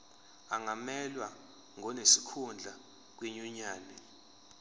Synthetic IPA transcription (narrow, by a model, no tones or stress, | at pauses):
aŋamɛlwa | ŋʱɔnesikʰund͡ɮʱa | k̬weɲuɲaːnɛ